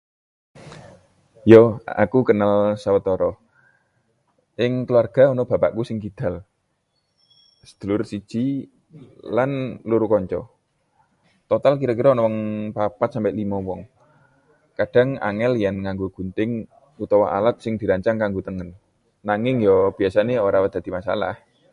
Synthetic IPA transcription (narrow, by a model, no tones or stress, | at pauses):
jɔa̰kukənalsawət̪ɔɾɔ | ʔɪŋkəluarɡ̥a̤ɔnɔb̥a̤pa̰ʔkusɪŋɡid̪̥a̤l | sə̥d̪̥ulʊrsi̥ʒ̥i | lanluɾukɔɲt͡ʃɔ̰ | t̪ɔt̪alk̬iɾɔk̬iɾɔnɔwɔŋpapat̪̚sampɪʔlimɔwɔŋ | kad̥ä̤ŋa̰ŋɛljanŋaŋɡoɡ̥ṳnt̪ɪŋ | ut̪ɔwaʔa̰lat̪̚sɪŋd̪̥i̤ɾaɲt͡ʃaŋkaŋɡot̪əŋənː | aŋɪŋjɔb̥iasaneoɾawəd̪̥a̤d̪i̤masa̰la̰h